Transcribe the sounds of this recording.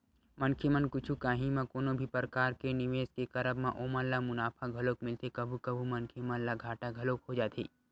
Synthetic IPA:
mɐnkʰemənkʊt͡ʃʰukaːɦimãkoːnõbʱipɾəkaːɾkenɪʋeːskekɐɾəbmãʔoːmənllamʊnaːpʰaɡʱɐloːkmɪlt̪ekɐbʱukɐbʱumɐnkʰemənlaɡʱaːʈaɡʱɐloːkɦod͡ʒaːt̪ʰḭː

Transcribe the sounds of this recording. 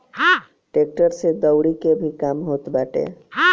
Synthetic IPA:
ʈeːk̚ʈəɾsed̪əwɽikebʱikaːmɦoːt̪baːʈḛ

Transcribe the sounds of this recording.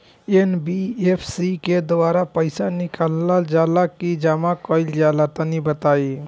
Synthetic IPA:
enbiepʰsiked̪oaɾapəɪsanikalːald͡ʒalakid͡ʒamakəɪld͡ʒalat̪ənibət̪ai

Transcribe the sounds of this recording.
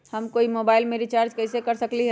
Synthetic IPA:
həmkoimobaːɪlmeɾit͡ʃaːɾd͡ʒkəɪsekəɾsəkliɦ

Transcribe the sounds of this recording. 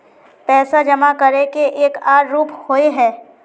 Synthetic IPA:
pɛːsad͡ʒɐmakɐɾekeʔeːkaːɾːuːphoeɦɛ̃ː

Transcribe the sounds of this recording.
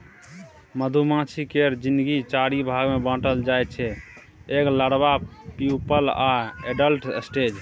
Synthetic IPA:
məd̪ʱumãt͡ʃʰikeɾd͡ʒind̪əɡit͡ʃaɽibʱaɡmebə̃ʈəld͡ʒajt̪̚t͡ʃʰɛ | eɡləɽbapjupəlaeɖəlʈsʈed͡ʒ

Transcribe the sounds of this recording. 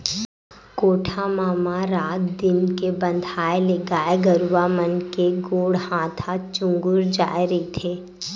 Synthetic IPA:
koːʈʰamaːmaɾaːt̪d̪ɪnkebə̃nd̪ʱaːeleɡaːeɡəɾʋamənkeɡoːɽhãːt̪ʰat͡ʃʊ̃ŋɡʊɾd͡ʒa̰ːiɾəit̪ʰeː

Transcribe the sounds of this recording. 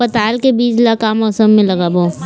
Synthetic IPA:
pət̪aːlkebiːd͡ʒlakamɔːsəmːẽlɐɡaboː

